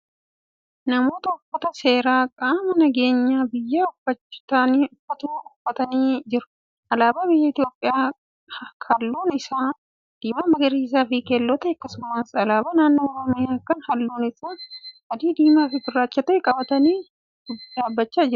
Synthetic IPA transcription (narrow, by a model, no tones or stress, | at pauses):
nɐmo̞ːt̪ɐʊfːɐt̪ɐse̞ːɾaːkʼaːmɐnɐɡe̞ːɲːaːbɪjːaʊfːɐt͡ʃːɪ̥taːniːʊfːɐt̪uːʊfːɐt̪ɐniːd͡ʒɪɾʊ̥ | ʔɐlaːbaːbɪjːɐɪt̪ɪjo̞ːpʼːɪjaː | kʰɐlːuːnɪsaː | d̪̥iːmaːmɐɡɐɾiːs̬aːfɪkelːɔt̪ɐɐkːɐsʊmaːsɐlaːbaːnaːnːoːɔɾɔmɪjaːkːɐnhɐlːuːnɪsaːhɐd̪iːd̪iːmaːfɪfɪrːaːt͡ʃːɐt̪ɐɛkʼɐbɐt̪ɐniː | d̥ʊbaːbːɐt͡ʃːaːd͡ʒɪɾʊ̥